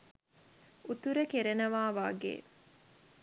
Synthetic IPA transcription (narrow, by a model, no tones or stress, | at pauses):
ut̪uɾəkeɾenəʋaːʋaɡḛː